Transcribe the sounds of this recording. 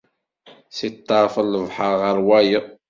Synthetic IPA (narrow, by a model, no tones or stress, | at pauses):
sit̪ˤːɑɾˤfəlːəvħəɾˤʁəɾwæjə